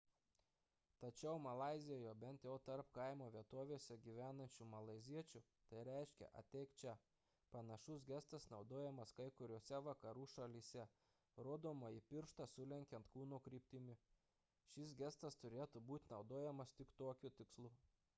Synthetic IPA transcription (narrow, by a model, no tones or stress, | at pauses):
t̪ɐt͡ʃʲɛʊmɐlˠɑˑɪzʲɪjoːjoːbʲɛnt̪jɛʊt̪ɐɾpkɐɪmoːʋʲiɛt̪oːʋʲeːsʲɛɡʲiːʋʲæːnɐnʲt͡ʃʲumɐlˠɐɪzʲiɛt͡ʃʲʊ | t̪ɐɪɾʲɛɪʃʲkʲɛ̰ʔɐ̰t̪ʲɛɪkt͡ʃʲɛ | pɐnɐʃʊsɡʲɛst̪ɐsnɒʊd̪oːjɛmɐskɐɪkʊɾʲoːsʲɛʋɐkɐɾuːʃɐlʲiːsʲɛ | ɾoːd̪oːmoːipʲɪɾʃt̪ɐsʊlʲɛŋʲkʲɛnt̪kuːnuːkɾʲiːpʲt̪ʲɪmʲɪ | ʃʲɪsɡʲɛst̪ɐst̪ʊɾʲeːt̪ubuːt̪ʲnɒʊd̪oːjɛmɐst̪ʲɪkt̪oːkʲʊt̪ʲɪkslˠuː